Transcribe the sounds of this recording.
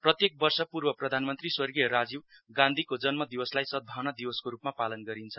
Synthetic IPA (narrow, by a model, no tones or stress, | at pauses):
prʌt̪jek̚bʌrsʌpurbʌprʌd̪ʱanmʌnt̪riswʌrɡijʌɾad͡ziwɡãnd̪ʱikod͡zʌnmʌd̪iwʌslajsʌd̪̚bʱawnʌd̪iwʌskoɾupmapalʌnɡʌɾint͡sʰʌ̥